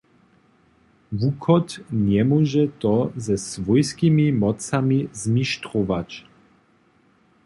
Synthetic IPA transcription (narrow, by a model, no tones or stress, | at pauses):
vukʰɔt̪ɲɛmɔʒɛt̪ɔzɛsvɔjskimimɔt͡samizmiʃt̪ɾɔvac